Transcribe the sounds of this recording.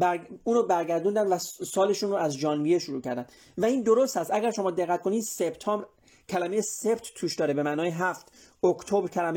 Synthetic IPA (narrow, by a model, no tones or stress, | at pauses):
bæɾuːnoːbæɾɡæɾd̪uːnd̪ænd̪væsɒːle̞ʃuːnɾoæzd͡ʒɒːnbijeʃoɾuːcʰæɾd̪ænd̪ | væiːnd̪oɾost̪hæst̪æɡæɾʃo̞mɒːd̪e̞ɣːæt̪̚kʰo̞niːd̪sebt̪ʰɒːmbɾ | cʰælæmejesebt̪ʰt̪ʰuːʃd̪ɒːɾebemæʔnɒːjeɦæft̪okt̪ʰobɾcʰælæme